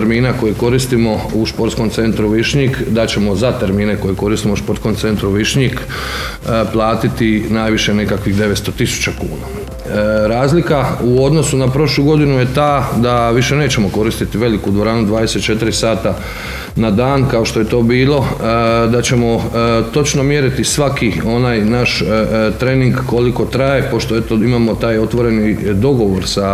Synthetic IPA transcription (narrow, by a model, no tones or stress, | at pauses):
ɾmiːnako̞jiko̞ɾist̪imo̞uʃpo̞ɾt̪sko̞mt̪se̞nt̪ɾuʋiʃɲikd̪at͡ɕe̞mo̞zat̪e̞ɾmiːne̞ko̞jeko̞ɾist̪imouspo̞ɾt̪ko̞mt̪se̞nt̪ɾuʋiʃɲik | plˠaːt̪it̪inaːjʋiʃe̞ne̞kakʋixd̪e̞ʋest̪o̞t̪isu̥t͡ɕakṵːna | ɾaːzlikauo̞d̪no̞sunapɾo̞ʃlˠuːɡo̞d̪inuje̞t̪aːd̪aʋiʃe̞ne̞ːt͡ɕe̞mo̞ko̞ɾist̪it̪iʋe̞likud̪ʋo̞ɾaːnud̪ʋaːd̪ese̞t̪t͡ʃe̞t̪iɾisaːt̪a | nad̪aːnkao̞ʃt̪o̞je̞t̪o̞ːbiːlˠo̞d̪at͡ɕe̞mo̞t̪o̞t͡ʃno̞mje̞ɾit̪isʋakio̞naːjnaʃt̪ɾe̞niŋɡːo̞liko̞t̪ɾaje̞po̞ʃt̪oet̪oimamo̞t̪aːjo̞t̪ʋo̞ɾe̞nid̪o̞ɡo̞ʋo̞ɾsa